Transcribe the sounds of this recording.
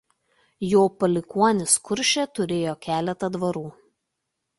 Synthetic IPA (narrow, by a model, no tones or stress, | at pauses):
joːpɐlʲɪkuɔnʲɪskʊɾʲʃʲɛˑt̪ʊɾʲeːjoːkʲæːlʲɛt̪ɐd̪ʋɐɾuː